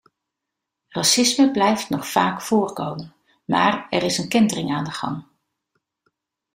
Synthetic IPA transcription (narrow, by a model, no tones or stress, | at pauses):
rɑsɪsməblɛjftnɔχfaːkfʊːrkowmən | maːrɛɾɪsənkɪndərɪŋaːndəχɑ̰ŋ